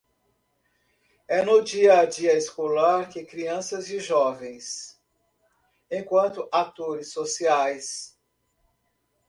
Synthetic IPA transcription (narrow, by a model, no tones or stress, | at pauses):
ɛnʊd͡ʒiɐd͡ʒiɐeskolaɾkɪkɾiɐ̃sɐzd͡ʒɪʒɔvẽj̃s | ẽkwɐ̃nt̪ʊʔat̪oɾɪsːosiajs